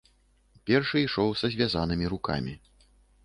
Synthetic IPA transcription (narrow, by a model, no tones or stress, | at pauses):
pʲɛrʂɨiʂɔwsɐzʲvʲazan̪ɨmʲiɾuka̰mʲi